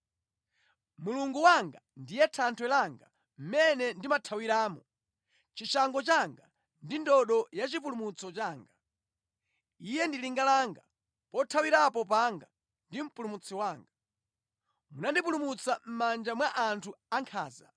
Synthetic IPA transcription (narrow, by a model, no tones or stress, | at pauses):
muluŋɡuwaŋɡandijɛtʰantʰwɛlaŋɡa̰ | m̩mɛnɛndimatʰawiɾaːmɔ | t͡ʃiʃaŋɡɔt͡ʃaŋɡa | ndindɔɗɔjat͡ʃip̬ulumut͡sɔt͡ʃaːŋɡa | ijɛndiliŋɡalaŋɡa | pɔtʰawiɾapɔpaŋɡa | ndim̩pulumut͡sʰiwaːŋɡa | munandipulumut͡sam̩mand͡ʒamwaʔantʰuaŋkʰaːza̰